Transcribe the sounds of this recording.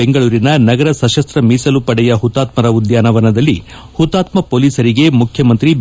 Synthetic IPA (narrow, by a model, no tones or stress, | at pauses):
eŋɡɐɭuːɾinɐnɐɡɐɾɐsɐʃɐst̪ɾɐmiːsɐlupɐɽɛjɐɦut̪ːaːt̪mɐɾɐud̪jaːnɐʋɐnɐd̪ɐlːi | hut̪ːaːt̪mɐpoːliːsɐɾiɡe̞mukʰjɐmɐnt̪ɾib